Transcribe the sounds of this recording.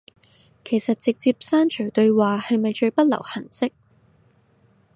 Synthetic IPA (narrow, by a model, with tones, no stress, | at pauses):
kʰe˨˩jsɐ˨t̚t͡sɪ˨k̚t͡siː˧p̚saː˥nt͡ʃʰɵ˨˩ɥt̪ɵ˧ɥwaː˨hɐ˨jmɐ˨jt͡ʃɵ˧ɥpɐ˥t̚lɐ̰˨˩whɐ˨˩nsɪ˥k̚